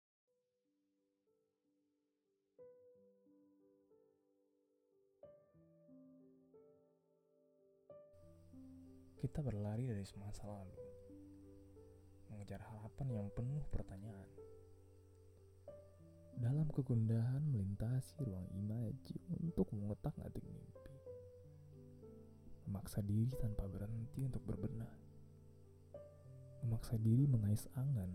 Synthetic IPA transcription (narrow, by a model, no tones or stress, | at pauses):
kit̪abərlaɾidaɾisəmaasalalu | məŋəd͡ʒarhaɾapanjaŋpənʊhpərt̪aɲaʔan | dalamkəɡundaɦanməlint̪asiɾuaŋḭmad͡ʒḭunt̪ʊk̚məŋət̪ak̚ŋa̰t̪ɪk̚mḭmpi | məmaksadiɾit̪anpabəɾənt̪iunt̪ʊk̚bə̰rbənar | məmaksadiɾiməŋaɪsaŋan